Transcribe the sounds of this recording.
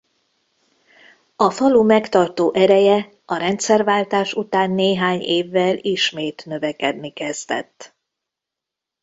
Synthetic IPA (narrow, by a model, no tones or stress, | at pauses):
ɒfɒlumɛkt̪ɒrt̪oːʔɛɾɛjɛ | ɒɾɛnt̪sɛrvaːlt̪aːʃut̪aːnːeːɦaːɲeːvːɛliʃmeːt̪nø̞vɛkɛd̪nikɛst̪ɛ̰t̪ː